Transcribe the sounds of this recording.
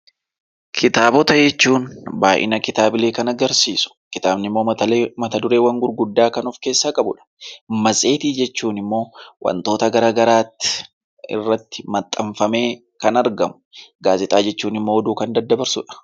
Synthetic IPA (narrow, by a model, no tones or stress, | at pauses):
kʰɪt̪aːbɔt̪ɐd͡ʒɛt͡ʃːuːnbaːʔɪ̰nɐkɪt̪aːbɪle̞ːkɐnɐɡɐɾsiːsʊ̥kɪt̪aːbnɪmːo̞ːmɐt̪ɐd̪ʊɾe̞ːwɐŋɡʊɾɡʊd̪ːaːkɐnʊfke̞ːsːaːkʼɐbʊᶑɐ̥mɐsʼe̞ːt̪iːd͡ʒɛt͡ʃːuːnɪmːo̞ːwʔɐ̰nt̪o̞ːt̪ɐɡɐɾaːɡɐɾaːt̪ːɪ̥ | ɪ̰rːɐt̪ːɪmɐt̪ʼːɐɱfɐme̞ː | kɐnɐɾɡɐmʊ̥ɡaːzɪt̪ʼaːd͡ʒɛt͡ʃːuːnɪmːo̞ːɔd̪uːkɐnd̪ɐd̪ːɐbɐɾsʊ̰ᶑɐ̥